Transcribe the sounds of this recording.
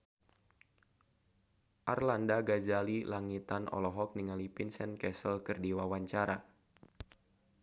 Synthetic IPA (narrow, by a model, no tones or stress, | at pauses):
ʔa̰rlandaɡad͡ʒalilaŋit̪anɔ̰lɔɦɔk̚niŋalipinsɛnkɛsəlkərdiwawaɲt͡ʃaɾa